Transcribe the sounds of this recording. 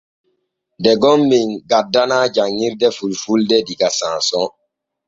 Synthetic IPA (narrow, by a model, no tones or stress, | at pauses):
dɛɡɔmːiŋɡadːanad͡ʒaŋːiɾdɛfulfuldɛdiɡasãsɔ̃